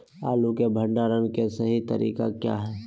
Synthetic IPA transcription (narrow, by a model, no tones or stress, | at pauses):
aːlukebʱə̃ɳɖaːɾənkesɐɦit̪ɐ̰ɾʔḭːka̰kja̰ːɦɛː